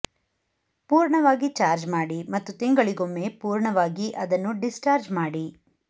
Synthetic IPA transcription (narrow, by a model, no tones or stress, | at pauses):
puːɾɳɐʋaːɡit͡ʃaːɾd͡ʒmaːɽimɐt̪ːut̪iŋɡɐɭiɡomːeːpuːɾɳɐʋaːɡiʔɐd̪ɐnːuɖisʈaːɾd͡ʒmaːɽi